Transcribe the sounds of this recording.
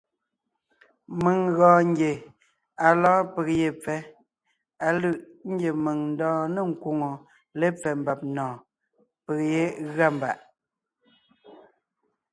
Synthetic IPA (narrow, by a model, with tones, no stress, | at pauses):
mə˨ŋɣɔ̃ː˨ŋ˦ɡje˨ | a˨lɔ̃ː˦pə˨ɣje˨p͡fɛ˦ | a˨lɯ˦˨ʔ | ŋ̩˦ɡje˨me˨ŋn̩˦dɔ̃ː˦nə˦˨ŋ̩˨kwo˨ŋo˨ | le˦p͡fɛ˨m̩˨ba˨p̚nɔ̃ː˨ | pə˨kje˦ɣa˦˨m˨ba̰˨ʔ